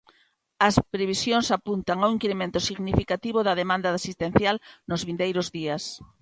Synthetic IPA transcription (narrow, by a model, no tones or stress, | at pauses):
ɐspɾeβ̞isjõŋsapunt̪aŋawiŋkiɾemẽnt̪ʊsiɣnifikat̪iβoðɐðemãnd̪ɐðasist̪ẽn̟θjalnʊzβind̪ejɾʊzðiɐs